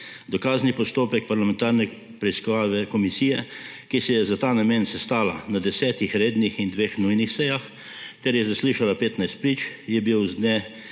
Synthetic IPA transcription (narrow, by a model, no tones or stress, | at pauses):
d̪ɔkaːznipɔst̪oːpɛk̚paɾlamɛ̃nt̪aːɾnɛ | pɾɛiskɔʋaːʋɛkɔmisiːjɛ | kisɛjɛzat̪aːnameːnsɛst̪aːlanad̪ɛsɛːt̪ixɾeːd̪nixind̪ʋeːxnujnixsɛjax | t̪ɛɾjɛzasliːʃalapeːt̪najst̪̚pɾiːt͡ʃjɛbiwzd̪nɛ